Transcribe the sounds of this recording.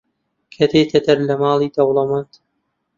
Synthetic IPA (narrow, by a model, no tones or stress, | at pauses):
kʰɐt̪eːt̪ʰɐt̪ɐɾlɐmɑːlˠiːd̪ɐwlˠɐmɐnt̪